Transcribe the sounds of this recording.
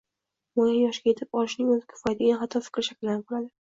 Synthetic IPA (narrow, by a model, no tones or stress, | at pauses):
mojanjɒʃɡʲaje̞t̪ʰɪpɒlɪʃnɪŋɵzɪkʲʰɪ̥fɒjd̪ɪɡʲanχat̪ʰːɒfɪ̥kʲɾɪʃakʲɪld̪anɪp̚qoɾad̪ɪ